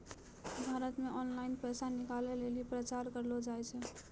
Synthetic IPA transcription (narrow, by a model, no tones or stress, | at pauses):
bʱaɾət̪meʔɔnlaɪnpəjsanikalelelipɾət͡ʃaɾkəɾlɔd͡ʒajt͡ʃʰɛ